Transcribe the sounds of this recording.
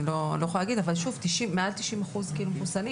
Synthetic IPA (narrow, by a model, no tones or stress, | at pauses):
lolo̞jexoalːaɡid̪avalʃuvt̪iʃimːealt̪iʃimaχuzkiilumefusani